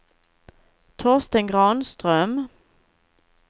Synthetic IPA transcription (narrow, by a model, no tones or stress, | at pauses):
t̪ʰoːʁst̪əŋɡʁɑːnst̪ʁœm